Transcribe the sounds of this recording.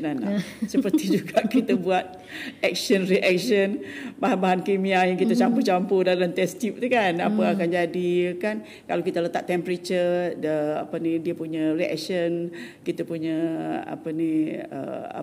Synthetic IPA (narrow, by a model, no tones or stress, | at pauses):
nana̰səpərt̪id͡ʒuɡaʔkit̪əbuat̪̚ | ɛk̚ʃənriʔɛk̚ʃənbaɦanbaɦankimiajaŋkit̪at͡ʃamput͡ʃampodalamt̪ɛst̪ip̚t̪ukanapəakand͡ʒadiəkan | kalawkit̪alət̪a̰ʔ̚t̪ɛmpəɾet͡ʃədəa̰pənidiəpuɲariɛ̰k̚ʃən | kit̪apuɲaa̰pəniə̰a̰